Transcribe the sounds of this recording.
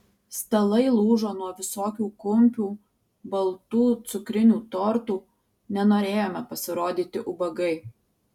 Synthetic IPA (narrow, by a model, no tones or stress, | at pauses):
sʲt̪ʲɐlˠɐɪlˠuːʒoːnuɔʋʲɪsoːkʲuːkʊmʲpʲuː | bɐlˠt̪uːt̪sʊkɾʲɪnʲuːt̪ɔɾt̪uː | nʲɛnoːɾʲeːjoːmʲɛpɐsʲɪɾoːd̪ʲiːt̪ʲɪʔʊbɐɡɐɪ